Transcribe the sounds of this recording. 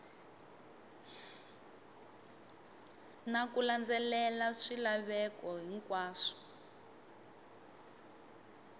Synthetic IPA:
nakuland͡zɛlɛlaʂilaβɛkɔɦiŋkʼwaːʂɔ̥

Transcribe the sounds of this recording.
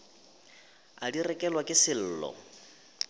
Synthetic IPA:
adirɛkʼɛlwakʼɪsɪl̩ːlɔ̰

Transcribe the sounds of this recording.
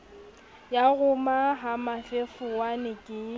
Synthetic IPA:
jaɣʊmaɦamafefʊwanɪkʼɪ

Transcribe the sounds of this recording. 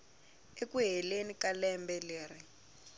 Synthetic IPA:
ekuɦɛlenikalɛmbɛleːri

